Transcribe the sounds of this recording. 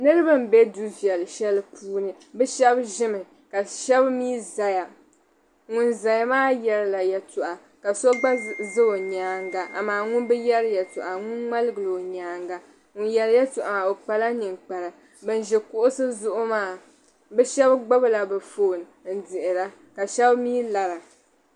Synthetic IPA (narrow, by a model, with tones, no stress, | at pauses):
nɨ˦ɾɨ˦bɨ˦m̩˨be˦du˦vi˨ɛ˨lɨ˨ʃɛ˦lɨ˦pʰuː˦nɨ˨ | bɛ˦ʃɛ˦bʒɪ˦mɨ˨ | ka˨ʃɛ˦bmiː˦za˨ja˨ | ŋʊ˦nza˨ja˦maː˦jɛ˨ɾɨ˦la˨jɛ˨tʊ˨ʔa˨ | ka˨so˦ɡ͡ba˦zɨ˦o˨ɲaː˦ŋɡa˨ʔa̰˨maː˦˨ŋʊ˦nbɛ˦jɛ˦ɾjɛ˨tʊ˨ʔa˨ŋʊ˦nŋ͡ma˦lɨ˦ɡɨ˨lo˨ɲaː˨ŋɡa˨ | ŋʊ˦njɛ˨ɾjɛ˦tʊ˨ʔa˨o˨k͡pa˨la˦nɨ˨ŋk͡pa˨la˨ | bɨ˨n˨ʒɛ˨kʊ˦ʔʊ˦sɨ˦zʊ˦ʔʊ˦maː˦ | bɛ˦ʃɛ˦bɡ͡ba˦bla˨bɨ˨foː˨n˨n̩˨dɪ˨ʔɪ˨la˦ | ka˨ʃɛ˦bmiː˦la˨ɾa˨